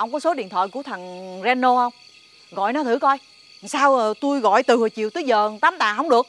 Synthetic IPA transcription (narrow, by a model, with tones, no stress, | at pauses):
ʔə˧wŋ͡mkɔ˨˦so˨˦ɗḭ˧˨ənt̪ʰwa̰ː˧˨jku˧˩ət̪ʰə˨˩ŋzɛ˧nːo˧hə˧wŋ͡m | ɣɔ̰˧˨jnɔ˨˦t̪ʰɨ˧˩kɔ˧j | saː˧wt̪u˧jɣɔ̰˧˨jt̪ɨ˨˩hə˨˩t͡ɕḭ˧˨wt̪ɨ˨˦zəː˨˩t̪aː˨˦mt̪a̰ː˨˩ɦə˧wŋ͡mɗɨ˨˩ək̚